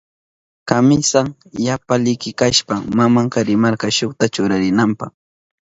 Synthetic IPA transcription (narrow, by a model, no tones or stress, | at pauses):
kamɪsaŋ | japalɪkɪkaʃpamamaŋkaɾɪmaɾkɑʃoχt̪at͡ʃʊɾaɾɪnampɑχ